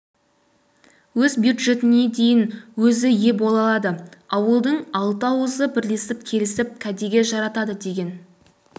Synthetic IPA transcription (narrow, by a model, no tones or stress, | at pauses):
wɵzbjud̪ʒe̞t̪ɪne̞d̪e̞jɪnwɵzɪje̞bo̞lˠɑlˠɑd̪əɑwəlˠd̪əɴɑlˠt̪ɑwəzəbɪɾle̞sɪp̚kʲʰe̞lɪsɪp̚kʲʰæd̪e̞ɡʲe̞ʒɑɾɑt̪ɑd̪əd̪e̞ɡʲe̞n